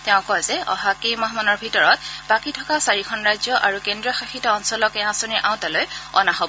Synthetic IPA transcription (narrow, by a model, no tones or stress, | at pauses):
tɛʊ̃kɔjzɛɔ̰ɦakemɔɦmɔnɔɹbʱitɔɹɔt̚bakitʰɔkasaɹikʰɔnɹajzjɔʔaɹukendɹiɔxaxitɔːnsɔlɔkɛãsɔniɹʔãʊ̃talojɔ̰naɦobɔ